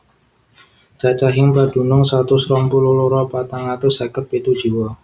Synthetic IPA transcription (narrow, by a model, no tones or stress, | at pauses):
t͡ʃat͡ʃaɦɪŋpad̥ṳnʊŋsat̪usɾɔmpululuɾɔpat̪aŋat̪ʊsakət̪̚pet̪ud̥ʒ̥uwɔ